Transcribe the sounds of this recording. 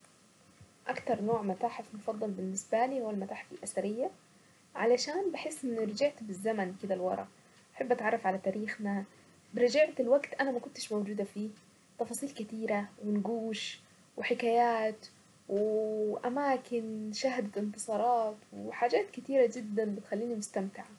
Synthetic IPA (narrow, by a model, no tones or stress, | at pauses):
ʔa̰kt̪ɑɾˤnoːʕmat̪aːħɪfmʊfɑd̪ˤːɑlbɪnːɪsbaliːhʊwːalmat̪aːħɪfɪlʔasaɾɪjːa | ʕa̰laʃaːnbɪħɪsːʔɪnːɾɪd͡ʒɪʕt̪bɪzːamankɪd̪alwɑ̰ɾˤɑ̰ | ʔaħabːʔat̪ʕɑrˤːɑfʕalat̪aːɾiːxna | bɪɾɪd͡ʒɪʕt̪ɪlwaɡt̪ʔanamakʊnt̪ɪʃmawd͡ʒuːd̪afiː | t̪ˤɑfɑːsˤiːlkɪt̪iːɾawɪnɡuːʃ | wɪħɪkaːjaːt̪ | wɪʔamaːkɪnʃaɦd̪aɪnt̪ɨ̥sˤɑːɾˤɑːt̪wħaːd͡ʒaːt̪kɪt̪iːɾad͡ʒɪd̪ːanbɪt̪xalːiːnimʊst̪amt̪ɪʕa